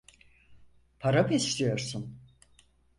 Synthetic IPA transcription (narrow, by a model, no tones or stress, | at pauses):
pʰaɾapɛslʲijo̞ɾsun